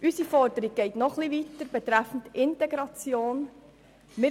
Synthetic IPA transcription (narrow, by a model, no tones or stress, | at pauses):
ʔysifɔɾdəɾiɡ̚ɡ̥ɛɪtnɔχliʋitəɾb̥et̪ɾæfn̩tɪntɛɡɾɑt͡sjoːn | mɪ